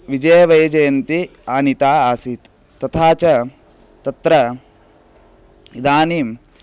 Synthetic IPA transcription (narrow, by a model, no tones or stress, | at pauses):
ʋid͡ʒɐjɐʋɐjɐd͡ʒɐjɐnt̪i | aːnit̪aːaːsit̪ː | ɐt̪ʰaːt͡ʃɐ | t̪ɐt̪ɾɐ | id̪aːnim